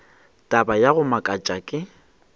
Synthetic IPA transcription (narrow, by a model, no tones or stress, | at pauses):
tʼabajaɣʊmakʼat͡ʃʼakʼɪ